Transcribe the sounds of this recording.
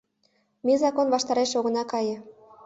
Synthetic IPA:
mizɑkonβɑʃt̪ɑɾeʃoɣə̆nɑkɑjɤ̆

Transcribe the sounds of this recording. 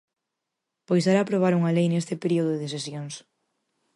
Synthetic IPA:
pojs̬aɾaːpɾoβ̞aɾuŋalejnest̪ɪpeɾioðoðeðesesjoŋs

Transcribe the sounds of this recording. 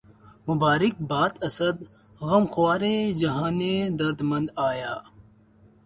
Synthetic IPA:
mʊbaːɾik̚baːt̪ɐsɐd̪ | ɣɐmxwaːɾed͡ʒɐɦãːned̪ɐɾd̪mɐ̃nd̪aːjaː

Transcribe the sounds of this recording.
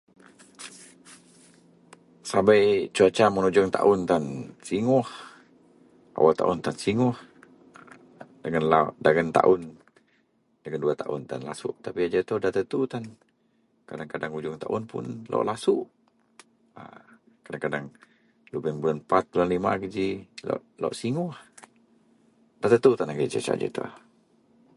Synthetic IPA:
sabajt͡ʃuat͡ʃamənud͡ʒɔŋt̪a̰ʔʊnt̪ansiŋɔh | ʔa̰walt̪a̰ʔʊnt̪ansiŋʊh | daŋanladaɡənt̪a̰ʔʊn | daɡənduat̪aʔʊ̰nt̪a̰nla̰sṵʔt̪apiad͡ʒat̪ɔdaht̪ət̪ut̪an | kadaŋkadaŋud͡ʒʊŋt̪aʔʊnpʊ̰nlo̰ʔlasuʔ | a̰ | kadaŋkadaŋ | lubənbulanpat̪̚bulanlima̰kəd͡ʒila̰ʔla̰ʔsiŋʊh | dat̪ət̪ut̪anakəit͡ʃə̰t͡ʃa̰ʔd͡ʒə̰t̪ṵh

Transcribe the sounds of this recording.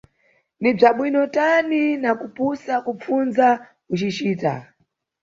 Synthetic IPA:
nib͡ʐaɓwinɔtaninakupusakup͡funza | ut͡ʃit͡ʃiːta̰

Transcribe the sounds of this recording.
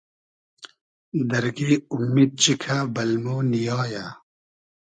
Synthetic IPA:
d̪ɐɾɡiːumːiːd̪̚t͡ɕikʰabɐlmuːnijɑːja

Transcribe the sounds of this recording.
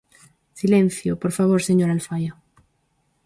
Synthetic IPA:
silẽnθjopoɾfaβ̞oɾseɲoɾalfajo

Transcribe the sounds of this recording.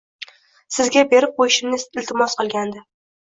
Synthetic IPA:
sɪzɡʲabe̞ɾɪp̚qʰojɪʃɪmnɪɪlt̪ʰɪmɒsqɨlˠɡʲand̪ɪ

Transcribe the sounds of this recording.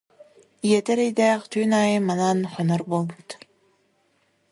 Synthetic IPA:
iɛt̪ɛɾɛjd̪ɛːχt̪yːnaːjɯmːananχɔnɔɾbolˠbut̪

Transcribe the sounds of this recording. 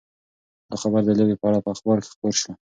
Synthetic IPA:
d̪axabaɾd̪ələwepəaɽapəaxbɑɾke̥xpoɾʃo

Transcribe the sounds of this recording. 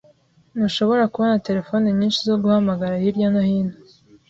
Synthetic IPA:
nuʃo̞βo̞ɾakuβonate̞ɾe̞fo̞neɲiːnʃizoɡuhamaɡaɾahiɾjanahiːno

